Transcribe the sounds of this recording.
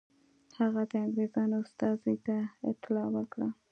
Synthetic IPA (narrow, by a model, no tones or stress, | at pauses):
haɣad̪əaŋɡɾezɑnast̪ɑzit̪aɪ̰t̪ɪlɑwəkɽa